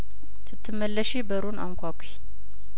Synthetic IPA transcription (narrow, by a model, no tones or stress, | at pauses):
sɨt̪ʰːɨmːəlːəʃebəɾuna̰ŋkʷakʷʰi̥